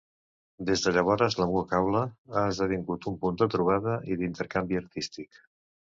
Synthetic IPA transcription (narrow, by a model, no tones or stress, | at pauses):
d̪ezðəʎəβ̞ɔɾəzləmuəkawləaəzðəβiŋɡut̪umpund̪ət̪ɾuβ̞aðəʔiðint̪əɾkambiəɾt̪ist̪ik